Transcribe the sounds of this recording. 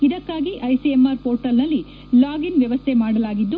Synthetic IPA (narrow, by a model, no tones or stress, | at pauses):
id̪ɐkːaːɡiʔɐjsiemaːɾpoːɾʈɐlnɐlːi | laːɡinʋjɐʋɐst̪ʰemaːɽɐlaːɡid̪ːu